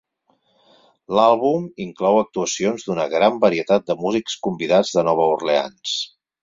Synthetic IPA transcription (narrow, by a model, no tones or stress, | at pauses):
lalˠβumiŋklɔwək̚t̪uəsionzd̪unəɣɾambəɾiət̪at̪̚d̪əmuzikskumbiðad͡zðənɔβ̞əurlea̰ns